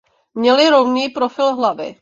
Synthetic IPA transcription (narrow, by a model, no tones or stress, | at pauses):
mɲɛlɪɾowniːpɾofɪlɦlavɪ̰